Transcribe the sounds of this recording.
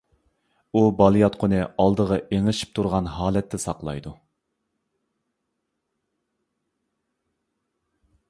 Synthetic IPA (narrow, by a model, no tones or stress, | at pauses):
ubɑlˠijɑt̪̚qʰʊnɨɑlˠd̪əʁɑʔeŋɨʃi̥p̚t̪ʰuɾʁɑnɦɑːlɛt̪ʰːɛsɑqlˠɑ̰jd̪u